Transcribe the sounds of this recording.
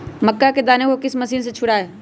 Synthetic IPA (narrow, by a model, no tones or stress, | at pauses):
mɐkːaked̪aːnekokɪsmɐsiːns̬et͡ʃʰʊɽaɛː